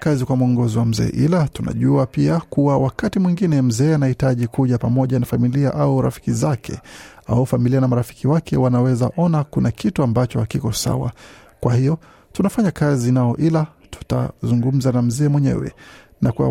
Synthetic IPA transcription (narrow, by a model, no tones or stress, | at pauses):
kazikwamuɔŋɡɔziwam̩zɛ̰ːʔilatuna̰ʄuapiakuwawakatimwiŋɡinɛm̩zɛːanahitaʄikuʄapamɔʄanafamiliaʔauɾa̰fi̥kizakʰɛ̰aufamilianamaɾafi̥kiwakʰɛwanawɛza̰ʔɔnakunakʰituambat͡ʃɔhakikɔsa̰wa̰ | kwahijɔ | tunafaɲakazinaɔʔila | tu̥ta̰zuŋɡum̩zanam̩zɛːmwɛɲɛ̰wɛ̰ | nakua̰